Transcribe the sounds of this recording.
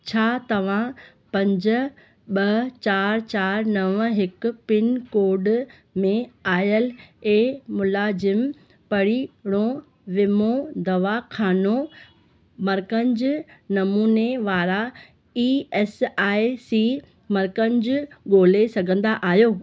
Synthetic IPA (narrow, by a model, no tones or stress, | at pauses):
t͡ɕʰaːt̪ɐʋ̤ã | pɐ̃ɲd͡ʑʊ̆ | ɓɐt͡ɕaːɾt͡ɕaːɾnɐʋɦɪkʊ̆pɪnkoːɾɖ | mẽaːjəleːmʊlaːzɪm | pɐɽiɽ̃o | ʋɪmod̪ɐʋakʰaːno | mɐɾkənɪd͡ʑnɐmuːneʋaːɾa | iːɛːsaːɪsiː | mɐɾkənɪd͡ʑʊɠoːlesɐɡʱə̃nd̪aʔaːɦijoː